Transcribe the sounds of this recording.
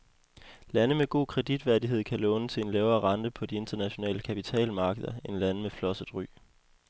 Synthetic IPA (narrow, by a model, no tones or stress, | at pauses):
lænəmeɡ̥o̝̰ːkʰʁɛd̥id̥ʋæɐdiɦe̝ð̞̰ˠkʰælɔ̽ːnət͡sʰe̝e̝nlɛːʊɐːʁɑ̈nd̥əpʰɒ̽d̥ie̝nd̥ɐnæɕo̝nɛ̰ːləkʰæpit͡sʰɛ̰ːlmɑ̈ːɡ̥əðˠɐe̝nlænəmeflɒ̽səð̥ˠʁy̰ː